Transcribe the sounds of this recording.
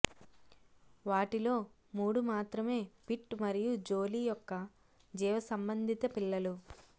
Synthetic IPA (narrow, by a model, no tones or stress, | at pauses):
ʋaːʈilo̞ː | muːɽumaːt̪ɾɐme̞ːpiʈmɐɾijud͡ʒo̞ːlijɔkːɐ | d͡ʒɛːʋɐsɐmbɐnd̪ʱit̪ɐpiɭːɐlu